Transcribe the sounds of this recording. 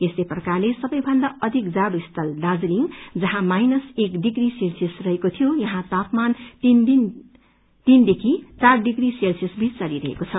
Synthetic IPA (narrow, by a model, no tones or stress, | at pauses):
esleprʌkarlesʌbʌjbʱʌnd̪aʌd̪ʱikd͡zaɽoist̪ʰʌlɖad͡zliŋd͡zʌɦãmajnʌsekɖiɡriselsisrʌɦekot̪ʰijojʌɦãt̪apmanind̪in | t̪ind̪ekʰit͡sarɖiɡriselsisbʱit͡st͡sʌliɾʌɦḛkot͡sʰʌ